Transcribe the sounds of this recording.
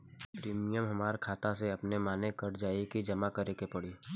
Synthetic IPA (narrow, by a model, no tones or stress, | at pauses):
pɾiːmijəmɦɐmaːɾkʰaːt̪aseɐpnemaːnekɐɾd͡ʒaːikid͡ʒɐmakɐɾeːkepɐɽiː